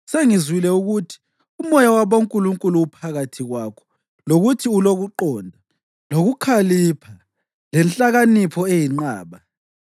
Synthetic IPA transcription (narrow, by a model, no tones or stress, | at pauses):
seŋizwilɛuɣutʰi̥ | umɔjawaβoŋkʼuluŋkʼuluːpʰaɣatʰiɣwaːkʰɔ̥ | loɣutʰiuloɣuǃɔːndʱa | loɣukʰalipʰa | lɛnt͡ɬʼaɣanipʰɔejiŋ͡ǃaːβa